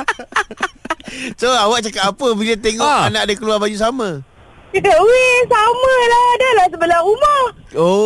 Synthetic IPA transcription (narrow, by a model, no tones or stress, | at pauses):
soawaʔ̚t͡ʃakat̪apəbilət̪eŋɔʔanaʔdəkəluarbad͡ʒusamə̃ | kit̪əuwɪŋsamə̃lahdəlahsəbəlaumah | o